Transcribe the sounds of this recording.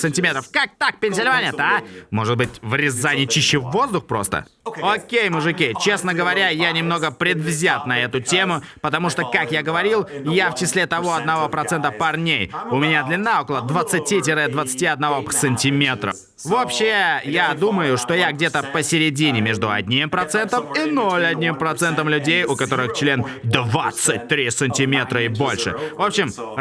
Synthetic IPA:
sənʲtʲɪmʲet̪ɾəfkak̚t̪ak̚pʲɪnʲsʲɪlʲɪvanʲɪjət̪amo̞ʐɨd̪̚bɨtʲvɾʲɪzːanʲɪt͡ɕiɕːɪvːo̞zd̪ʊxpɾo̞̰st̪ə̰ | okʲejmʊʐɨkʲit͡ɕe̞snəɡəvɐɾʲajanʲɪmno̞ɡəpɾʲɪd̪vzʲat̪nɐɛt̪ʊtʲe̞mʊpət̪ɐmuʂt̪o̞kakjaɡəvɐɾʲilˠɪjaft͡ɕɪsʲlʲet̪ɐvo̞ɐd̪nɐvo̞pɾɐt̪sɛnt̪əpɐrnʲejʊmʲɪnʲad̪lʲɪnːao̞kəlˠəd̪vət̪sɨtʲit̬ʲɪɾɨd̪vət̪sɨ̥tʲiɐd̪̚nɐvo̞sənʲtʲɪmʲe̞t̪ɾə̰f | vopɕːɪjad̪uməjʊʂt̪o̞jaɡdʲet̪əpəsʲɪɾʲɪdʲinʲɪmʲe̞ʐd̪ʊɐ̰dʲnʲimpɾɐt̪sɛnt̪əminolʲɐdʲnʲimpɾɐt̪sɛnt̪əmlʲʉdʲejʊkɐt̪o̞ɾɨxt͡ɕlʲend̪vat̪sɨt̚ʲt̪ːɾʲisənʲtʲɪmʲe̞t̪ɾəɪbo̞lʲʂɨ̰vo̞pɕɪm

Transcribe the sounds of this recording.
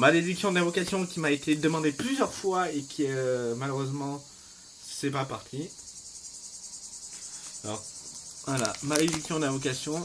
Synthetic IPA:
mad̪ed̪yksjɔ̃d̪ɛ̃vɔkasjɔ̃kʲimaet̪ed̪əmɑ̃d̪eplyzjœʁfwaekʲʰiømaløʁøzmɑ̃ | sɛpapaʁt̪ʰi | alɔ̰ʁvala̰maded̪yksjɔ̃d̪ɛ̃vɔkasjɔ̃

